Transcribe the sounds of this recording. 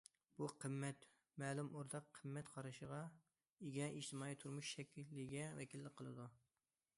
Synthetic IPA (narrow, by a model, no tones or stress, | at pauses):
b̥uqʰəmːɛt̪ | mɛːlˠumoɾd̪ɑqʰːəmːɛt̪qʰɑɾɨʃəʁɑ | iɡʲɛʔiʃt̪ʰɨmɑːit̪ʰuɾmuʃʃɛkʲʰilːɪɡʲɛvɛkʲilːɪqʰəlˠɨd̪u